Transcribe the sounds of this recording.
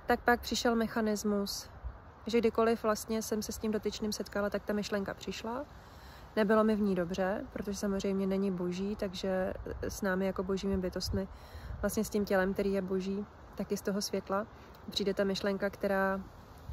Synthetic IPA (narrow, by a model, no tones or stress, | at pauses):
t̪ak̚pak̚pr̥ɪʃɛlmɛxanɪzmus | ʒɛɡdɪko̞lɪfvlast̪ɲɛsɛmsɛscimdo̞t̪ɪt͡ʃniːmsɛt̪kalat̪ak̚t̪amɪʃlɛŋkapr̝̥ɪʃla | nɛbɪlo̞mɪvɲiːdo̞br̝ɛpɾot̪o̞ʒɛsamozr̝ɛjmɲɛnɛɲɪbo̞ʒiːt̪aɡʒɛsnaːmɪjako̞bo̞ʒiːmɪbɪt̪o̞st̪mɪ | vlast̪ɲɛscɪmcɛlɛmk̚t̪ɛɾiːjɛbo̞ʒiː | t̪akjɪst̪o̞ɦo̞svjɛt̪la | pr̥iːdɛt̪amɪʃlɛŋkakt̪ɛɾaː